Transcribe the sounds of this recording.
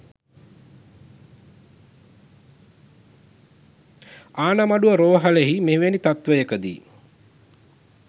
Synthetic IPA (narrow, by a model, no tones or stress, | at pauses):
aːnamaɖuəɾoːɦaleɦimeʋenit̪at̪ʋəjəkəd̪ḭː